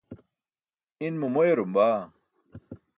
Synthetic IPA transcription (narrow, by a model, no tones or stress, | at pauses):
inmumoeɾumbaː